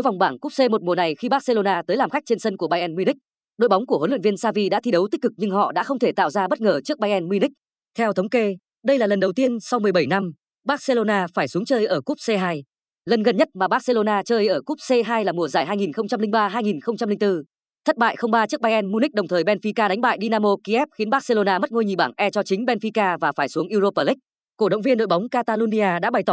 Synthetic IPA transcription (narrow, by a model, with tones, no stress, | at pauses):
jvwŋ͡mɓaː˧˩nku˦˥p̚se˧mo˨˩t̚mu˨˩əna˨˩jxi˧ɓaː˦˥t̚se˧lo˧naː˧t̪əː˨˦jlaː˨˩mxa˦˥k̚t͡ɕe˧nsə˧nku˧˩əɓaː˧jʔɛ˧nmi˧ni˦˥k̟̚ | ɗo̰˧˨jɓa˨˦wŋ͡mku˧˩əhoː˨˦lḭ˧˨nvi˧ənsaː˧vi˧ɗa̰ː˧˥t̪ʰi˧ɗə˨˦wt̪i˦˥k̟̚kɨ˨˩k̚ɲɨ˧ŋɦɔ̰˧˨ɗa̰ː˧˥xə˧wŋ͡mt̪ʰe˧˩t̪a̰ː˧˨wzaː˧ɓə˦˥t̚ŋəː˨˩t͡ɕɨ˦˥k̚ɓaː˧jʔɛ˧nmi˧nï˦˥k̚ | t̪ʰɛ˧wt̪ʰə˨˦wŋ͡mke˧ | ɗə˧jlaː˨˩lə˨˩nɗə˨˩wt̪i˧ənsa˧wmɨ˨˩əjɓə˧˩jna˧m | ɓaː˦˥t̚se˧lo˧naː˧faː˧˩jsu˨˦əŋt͡ɕəː˧jʔəː˧˩ku˦˥p̚se˧ɦaː˧j | lə˨˩nɣə˨˩nɲə˦˥t̚maː˨˩ɓaː˦˥t̚se˧lo˧naː˧t͡ɕəː˧jʔəː˧˩ku˦˥p̚se˧ɦaː˧jlaː˨˩mu˨˩əzaː˧˩jɦaː˧jŋi˨˩nxə˧wŋ͡mt͡ɕa˧mli˧ŋ̟ɓaː˧ɦaː˧jŋi˨˩nxə˧wŋ͡mt͡ɕa˧mli˧ŋ̟t̪ɨ˧ | t̪ʰə˦˥t̚ɓa̰ː˧˨jxə˧wŋ͡mɓaː˧t͡ɕɨ˦˥əkɓaː˧jʔɛ˧nmu˧ni˦˥k̚ɗə˨˩wŋ͡mt̪ʰəː˨˩jɓɛ˧nfi˧kaː˧ɗa˨˦ŋ̟ɓa̰ː˧˨jɗi˧naː˧mo˧ki˧ʔɛ˦˥p̚xi˨˦ənɓa˦˥se˧lo˧naː˧mə˦˥t̚ŋo˧jɲi˨˩ɓaː˧˩ŋʔɛ˧t͡ɕɔ˧t͡ɕï˨˦ŋ̟ɓɛ˧nfi˧kaː˧vaː˨˩faː˧˩jsu˨˦əŋʔi˧zo˧pəː˧˩lï˦˥k̚ | ko˧˩ɗə̰˧˨wŋ͡mvi˧ənɗo̰˧˨jɓa˨˦wŋ͡mkaː˧t̪aː˧lu˧ni˧aː˧ɗa̰ː˧˥ɓa˨˩jt̪ɔ˧˩